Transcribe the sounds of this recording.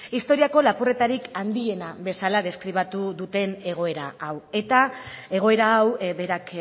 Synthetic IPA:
ist̪o̞ɾiako̞lapure̞t̪aɾikand̪ie̞naβe̞salað̞e̞skɾiβ̞at̪uðut̪e̞ne̞ɣ̞o̞e̞ɾa̰awe̞t̪ae̞ɣ̞o̞e̞ɾaːwβe̞ɾak

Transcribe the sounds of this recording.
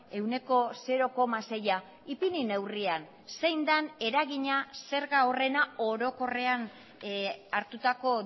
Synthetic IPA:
e̞wne̞ko̞se̞ɾo̞ko̞mase̞ja | ipinine̞wrian | se̞jnd̪ane̞ɾaɣiɲase̞ɾɣao̞re̞naoɾo̞ko̞re̞an | aɾt̪ut̪ako̞

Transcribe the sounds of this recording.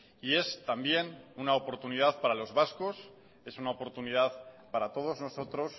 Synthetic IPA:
ie̞st̪ambje̞nunaopo̞ɾt̪unið̞aðpaɾalo̞zβasko̞s | e̞sunaopo̞ɾt̪unið̞aðpaɾat̪o̞ð̞o̞zno̞so̞t̪ɾo̞s

